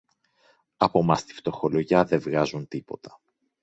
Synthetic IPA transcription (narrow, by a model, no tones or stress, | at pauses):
ɐpo̞mɐst̪i̥ft̪o̞xo̞lo̞ʝɐðe̞vɣɐzunt̪ipo̞t̪ɐ̥